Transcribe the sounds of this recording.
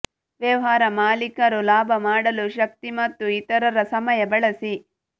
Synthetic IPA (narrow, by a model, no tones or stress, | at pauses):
ʋjɐʋɐɦaːɾɐmaːlikɐɾulaːbʱɐmaːɽɐluʃɐk̚t̪imɐt̪ːuit̪ɐɾɐɾɐsɐmɐjɐbɐɭɐsi